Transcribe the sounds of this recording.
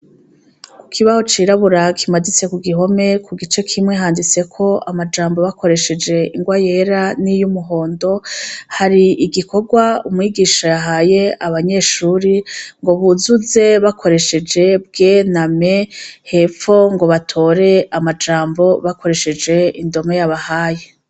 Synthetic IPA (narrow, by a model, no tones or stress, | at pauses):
ku̥kʰiβaho̞t͡ʃiːɾaβuɾakʰimadit͡se̞kuɡiɦo̞me̞kʰuɡit͡ʃe̞kʰimŋe̞ɦaːndit͡se̞kʰo̞amad͡ʒaːmbo̞βako̞ɾe̞ʃe̞d͡ʒe̞iŋɡwajeɾanijumuɦo̞ːndo̞haɾiiɡiko̞ɡwaumŋiːɡiːʃajaɦaje̞aβaɲe̞ːʃuːɾiŋɡo̞βuzuze̞βakʰo̞ɾe̞ʃe̞d͡ʒe̞b̚ɡeːname̞he̞p͡fo̞ŋɡo̞βatʰo̞ɾe̞amad͡ʒaːmbo̞βakʰo̞ɾe̞ʃe̞d͡ʒe̞indo̞mŋejaβahaːje̞